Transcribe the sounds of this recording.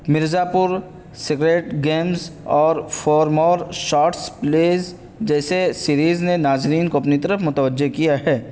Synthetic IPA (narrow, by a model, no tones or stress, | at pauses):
mɪɾzaːpʊɾ | sɪkɾeːʈɡeːmzɔːɾfɔːɾmɔːɾʃaːʈspleːz | d͡ʒɛːsesiːɾiːznenaːzɾiːnkoɐpnit̪ɐɾəfmʊt̪əʋəd͡ʒːekijaɦɛː